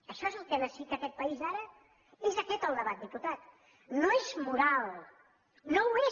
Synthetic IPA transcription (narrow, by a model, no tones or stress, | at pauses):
əʃɔezəlˠkɛnəsit̪əkɛt̪̚pəizaɾə | ezəkɛt̪əlˠd̪əβat̪̚d̪iput̪at̪ | noezmuɾalˠ | nowe